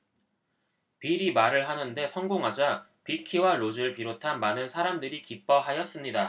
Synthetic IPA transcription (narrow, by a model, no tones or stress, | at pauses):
piɾimaɾɯɭɦanɯnde̞sʰʌŋɡoŋɦad͡ʑapikʰiwaɾod͡ʑɯɭpiɾotʰanmanɯnsʰaɾamdɯɾikip͈̚ʌɦajʌs͈ɯmɲida